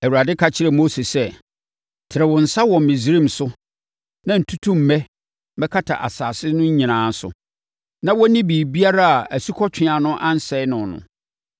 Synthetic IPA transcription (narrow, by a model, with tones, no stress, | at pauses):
æ˨wu˨ɾa˨dɪ˦kʰa˨t͡ɕʰɪ˦ɾɛ˨mo˦se˨sɛ˦ | tʰɪ˨ɾɛ˨wɔ̃˨n̩˨sa˦wɔ̃˨m̩˨mɪ̃˨zi˨ɾĩ˦˨m̩sʊ˦ | nã˦n̩˨tʰu˦tʰũ˦m̩˨mɛ̃˦ | mɛ˦kʰa˦tʰa̰˨ʔa̰˨saː˨sɪ˦nʊ̃˦ɲ˦ɲĩ˨nãː˨˦n̩˦sʊ̰˨ | nã˦wɔ˦nĩ˦biː˨bi˦a˦ɾa˦a˨ʔæ˨su˦kʰɔ˦t͡ɕᶣʰɪ̃˨a˨nʊ̃˦ʔã˦n̩˦sɛ˦nʊ̃˨nʊ̰̃˨